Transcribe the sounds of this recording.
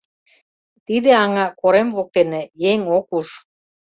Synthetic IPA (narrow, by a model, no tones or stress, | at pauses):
t̪id̪ĕɑŋɑkoɾemvok̚t̪enĕjeŋokuʃ